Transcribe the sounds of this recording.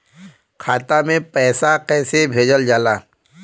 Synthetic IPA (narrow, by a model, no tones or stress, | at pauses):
kʰaːt̪amẽpɛːsakɛːsebʱeːd͡ʒəld͡ʒaːlaː